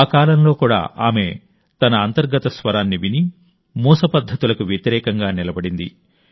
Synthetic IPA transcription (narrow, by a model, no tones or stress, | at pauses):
kaːlɐmlo̞ːkuːɽa̰ːʔaːme̞ | t̪ɐnɐːnt̪ɐɾɡɐt̪ɐsʋɐɾaːnːiʋini | muːsɐpɐd̪ʱːɐt̪ulɐkuʋjɐt̪iɾɛːkɐŋɡaːnilɐbɐɽind̪ḭ